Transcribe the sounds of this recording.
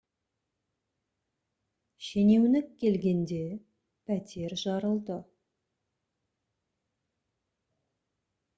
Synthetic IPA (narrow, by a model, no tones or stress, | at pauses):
ʃene̞wnɪkʲːe̞lɡʲe̞nd̪e̞ | pʰæt̪e̞ɾʒɑɾəlˠd̪ə